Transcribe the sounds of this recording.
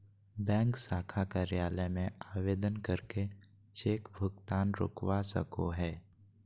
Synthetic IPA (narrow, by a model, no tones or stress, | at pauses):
bɛ̃ːŋksaːkʰakəɾɪjaːləmẽaːʋeːd̪ənkəɾke | t͡ʃeːkbʱʊɡt̪aːnɾʊ̰kwasə̰koɦɛː